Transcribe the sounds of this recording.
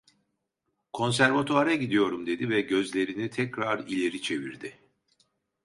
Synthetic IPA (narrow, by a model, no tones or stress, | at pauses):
kʰo̞ns̬æɾvat̪ʰoaɾaɟid̪ijo̞ɾumd̪e̞d̪ivɛɟø̞zlʲe̞ɾinit̪ʰɛcɾaɾilʲe̞ɾit͡ʃʰe̞viɾd̪ɪ